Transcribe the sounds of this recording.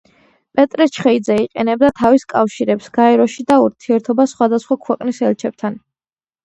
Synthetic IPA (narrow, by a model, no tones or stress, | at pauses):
pʼɛt̪ʼɾɛt͡ʃʰχɛid̪zɛiqʼɛnɛb̚d̪at̪ʰaviskʼafʃiɾɛpsɡ̥aɛɾɔʃid̪auɾt̪ʰiɛɾt̪ʰɔbasχwad̪asχwakʰwɛqʼnisɛlt͡ʃʰɛp̚t̪ʰan